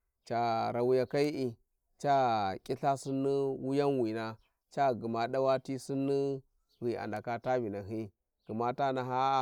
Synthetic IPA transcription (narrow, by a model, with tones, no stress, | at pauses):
t͡ʃa˨ɾa˨wu˦ja˨ka˦i˦ʔi˨ | t͡ʃa˦kʲʼi˦ɬa˦si˦nːi˦wu˦ja˦nwi˨na˦ | t͡ʃa˦ɡu˨ma˨ɗa˦wa˦ti˦si˦nːi˦ | wi˨a̰˨nda˨ka˦ta˦bi˨na˨ɦi˦ | ɡ̥ə˨ma˦ta˦na˨ɦa˦